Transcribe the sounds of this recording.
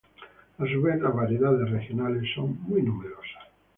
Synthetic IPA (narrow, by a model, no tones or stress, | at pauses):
as̬uβeθazβaɾjeðaðesrexjonalesːoŋmujnumeɾosḁ